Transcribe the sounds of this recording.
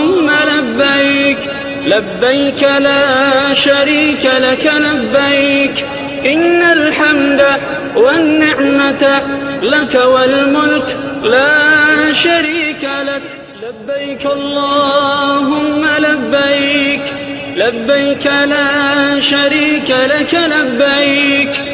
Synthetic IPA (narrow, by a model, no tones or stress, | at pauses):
ʊmːalabːajk | labːajkalaːʃaɾiːkalakalabːajk | ʔɪnːalħamd̪a | wanːɪʕmat̪lakawalmʊlklaːʃaɾiːkalak | labːajkʔɑlˤːɑːɦʊmːalabːajk | labːajkalaːʃaɾiːkalakalabːajk